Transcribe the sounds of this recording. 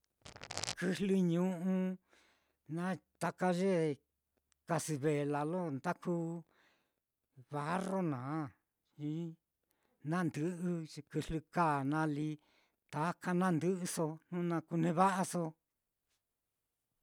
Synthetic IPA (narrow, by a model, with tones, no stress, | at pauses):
kɨ˧ɦlɨ˧ɲũ˦ʔũ˧ | nã˦t̪a˧ka˧ʒe˦ | ka˧si˧βe˨la˨lo˦nd̪a˦ku˦ | βa˨˦ro˦nãː˨˦ | ĩ˦ | nã˦nd̪ɨ˧ʔɨ˧kɨ˧lɨ˧ka˦˨nã˧˦li˧ | t̪a˨˦ka˧nã˦nd̪ɨ˦ʔɨ˧so˧nũ˦nã˧ku˧nẽ˧βa˦ʔa˧so˧